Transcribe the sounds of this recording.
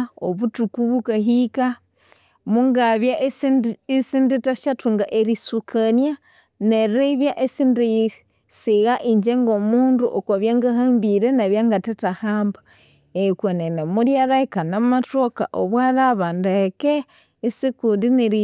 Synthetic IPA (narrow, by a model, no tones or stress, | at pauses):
oβutukuβukaɦika | muŋɡaβjaʔ | sinditaʃatuŋɡaʔeɾisukʰanja | neɾiβjaʔesindi | siɣaʔiɲd͡ʒeŋɡomuːnduʔokwaβjaŋɡahambiɾenaβjaŋɡatetahaːmba | eikwanenemuɾjaɾaikanamatoka̰ʔoβwalaβandekeː | sikudineɾi